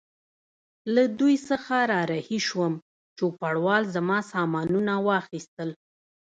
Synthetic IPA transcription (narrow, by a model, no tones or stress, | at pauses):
lad̪ujsəxaɾɑɾahiʃwəm | t͡ʃopaɽwɑlzamɑsɑmɑnunawɑxist̪əl